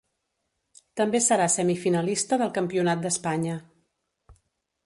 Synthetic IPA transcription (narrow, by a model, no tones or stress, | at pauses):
t̪əmbesəɾasəmifinəlist̪əðəlˠkəmpiunat̪̚d̪əspaɲə